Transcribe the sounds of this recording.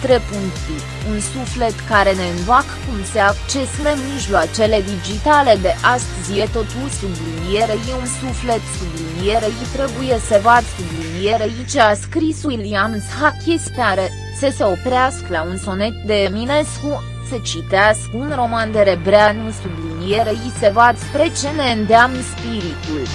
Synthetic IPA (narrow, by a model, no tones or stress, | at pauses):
t̪ɾepuŋi | unsufle̞t̪kaɾe̞ne̞ɨnvakkumseakt͡ʃe̞snemmiʒlwat͡ʃe̞le̞d̪id͡ʒit̪ale̞d̪eʔast̪əzijet̪o̞t̪usubliinijeɾejeunsufle̞t̪sublinijeɾejet̪ɾe̞buje̞səvad̪sublinijeɾeit͡ʃaskɾisuilianshakʲispeaɾe | səse̞o̞pɾeaskəlaunso̞ne̞t̪̚d̪e̞mine̞sku | sət͡ʃit̪easkunro̞mand̪e̞ɾebɾeanusublinijeɾejisəvad̪spɾe̞t͡ʃe̞ne̞ɨnd̪eamnspiɾit̪ul